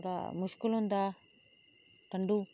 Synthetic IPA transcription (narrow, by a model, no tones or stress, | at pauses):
ɽa̰muʂkulund̪a | t̪ɐɳɖu